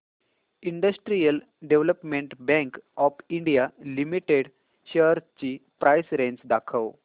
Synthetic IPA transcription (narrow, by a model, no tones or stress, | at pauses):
iɳɖəsʈɾijəl | ɖeʋləpmẽɳʈbɛ̃ŋkɔfiɳɖijalimiʈeɽ | ɕeɾt͡ɕiːpɾʔajsɾẽnsd̪akʰəw